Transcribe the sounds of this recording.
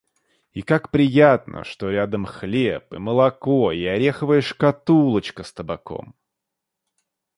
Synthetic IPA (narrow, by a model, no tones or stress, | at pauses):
ikakpɾʲɪjat̪nʔə̰ʂt̪o̞ɾʲad̪əmxlʲepɨməlˠɐkoɪɐɾʲe̞xəvəjɪʂkɐt̪ulˠət͡ɕkəst̪əbɐko̰m